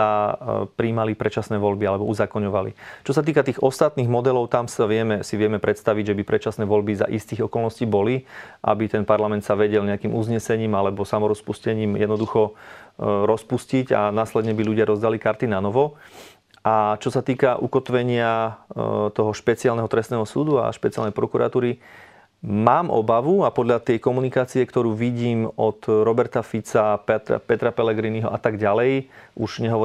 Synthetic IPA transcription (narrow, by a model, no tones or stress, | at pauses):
apɾiːmalipɾɛt͡ʃasnɛːʋɔʎbialɛbɔuzaːkɔɲɔʋalḭt͡ʃɔsat̪̬iːkat̪iːɣɔst̪at̪niːɣmɔd̪ɛlɔʊt̪amsaʋɪɛmɛsiʋɪɛmɛpɾɛt̪st̪aʋiɟʒɛbipɾɛt͡ʃasnɛːʋɔʎbiza̰ʔist̪iːɣɔkɔlˠnɔsciːbɔliʔa̰bit̪ɛnpaɾlamɛnt̪saʋɛɟɛlɲɛakiːmuzɲɛsɛɲiːmalɛbɔsamɔɾɔspuscɛɲiːmjɛd̪nɔd̪uxɔ | ɾɔspusciɟa̰naːslɛd̪ɲɛbiʎuɟɪaɾɔzd̪alikaɾt̪inanɔʋɔ | at͡ʃɔsat̪iːkaʔukɔt̪ʋɛɲɪa | t̪ɔɦɔʃpɛt͡siɪalnɛɦɔt̪ɾɛst̪nɛːɦɔsuːd̪ua̰ʃpɛt͡sia̰lnɛjpɾɔkuɾa̰t̪uːɾi | maːmʔɔ̰baʋuapɔd̪ʎat̪ɪɛjkɔmunikaːt͡siɛkt̪ɔɾuːʋiɟiːmɔt̪ɾɔbɛɾt̪afit͡sapɛt̪a̰pɛt̪ɾapɛlɛɡɾiniɦɔʔat̪aɡɟalɛjʔuʒɲɛɦɔʋɔ